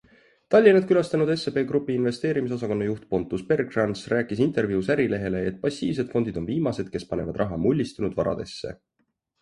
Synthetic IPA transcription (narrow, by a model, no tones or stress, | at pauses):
t̪ɑlʲːinɑd̪̥̚kylɑst̪ɑnud̪̥e̞sepe̞ːɡɾupːˑiinve̞st̪e̞ːɾimis̬os̬ɑko̞nːɑjuht̪po̞nt̪ːˑuspe̞rɡrɑnsræːkːˑisint̪ˑe̞rvjuusæɾile̞ɦe̞le̞et̪̚ːˑpɑsːḭːvse̞d̪fo̞nd̪̥id̪̥o̞nviːmɑse̞d̪̥̚ke̞spɑne̞vɑd̪rɑɦɑmulʲːist̪unud̪vɑɾɑ̰d̪̥e̞sːe̞̰